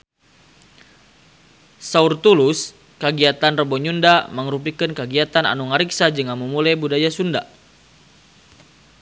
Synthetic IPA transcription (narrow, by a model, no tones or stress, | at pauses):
saurt̪ulus | kəɡiat̪anrəbɔɲundaməŋrupikənkəɡiat̪ana̰nuŋaɾiksad͡ʒəŋamumulajbudajasunda̰